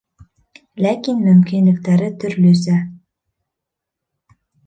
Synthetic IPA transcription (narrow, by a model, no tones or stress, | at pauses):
lækinmɵmkinlɘ̆k̚t̪æɾɘt̪ʰɵɾlɵsæ